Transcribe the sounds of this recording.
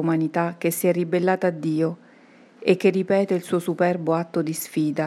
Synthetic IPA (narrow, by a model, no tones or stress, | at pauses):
manit̪ak̟ːesːiɛrːibelːaːt̪aːd̪ːiːo | ek̟ːerːipɛːt̪eilsuːosupɛrboat̪ːod̪isfiːd̪a